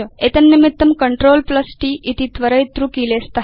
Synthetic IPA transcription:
əet̪ənːimit̪ːəmkəɳʈɾoːlpləsʈiːʔit̪it̪ʋəɾəjt̪ɾukilest̪a

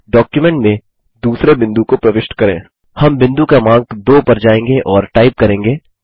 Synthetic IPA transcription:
ɖɔːkjumɛ̃ɳʈmẽ | d̪uːsɾebɪ̃nd̪ukopɾɐʋɪʃʈkɐɾḛ̃ː | hɐmbɪ̃nd̪ukamãːŋkd̪oːpɐɾd͡ʒaːẽːŋɡeʔɔːɾʈaːɪp̚kɐɾẽːŋɡeː

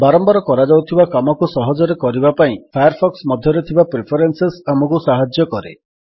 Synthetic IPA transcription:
baɾɔmbɔɾɔkɔɾad͡ʒawt̪ʰibakamɔkusɔɦɔd͡ʒɔɾekɔɾibapaĩpʰajaɾpʰɔksmɔd̪ʱjɔɾet̪ʰibapɾepʰɔɾensesamɔkusaɦad͡ʒjɔkɔɾḛ

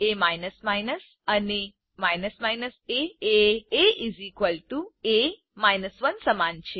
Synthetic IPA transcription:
emajnəsmajnəs | əne | majnəsmajnəseeeizikʋəlʈue | majnəsʋənsəmant͡ʃʰe

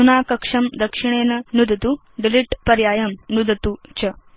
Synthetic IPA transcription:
unaːkɐkʂɐmd̪ɐkʂiɳ̃eːnɐnud̪ɐt̪u | ɖiliʈpɐɾjaːjɐmnud̪ɐt̪ut͡ɕɐ

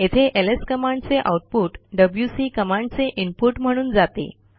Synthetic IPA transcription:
et̪ʰeʔeleskəmãɳɖt͡seʔa̰wʈ̚puːʈɖəbljusikəmãɳɖt͡seʔimpuʈm̤əɽ̃uːnd͡zat̪ḛ

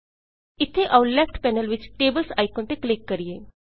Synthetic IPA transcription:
ɪt̪ʰːeʔaulɛːfʈpɛːnəlʋɪt͡ʃʈeːbəlsaːikõːnt̪eklɪkːəɾieː

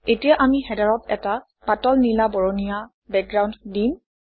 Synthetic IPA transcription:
etijaʔamixɛdaɹɔtɛ̰ta | patɔlnilabɔɹonija | bɛk̚ɡɹawnddim

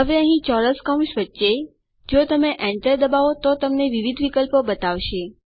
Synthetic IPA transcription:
ɦəʋeəɦĩt͡ʃɔɾəskəmʃʋətːʃe | d͡ʒot̪əmeʔɛ̃ɳʈəɾd̪əbaʋot̪ot̪əmneʋiʋid̪ʱʋikəlpobət̪aʋʃe

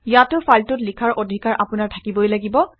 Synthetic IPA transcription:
jatʊfʰaltʊtlikʰaɹʔodʱikaɹʔapʊnaɹtʰakibɔjlaɡibɔ

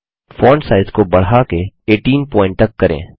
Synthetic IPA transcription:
fɔːɳɖsaːɪzkobɐɽ̤akeeːʈiːnpɔ̃ːɪ̃ɳʈtɐkːɐɾḛ̃ː

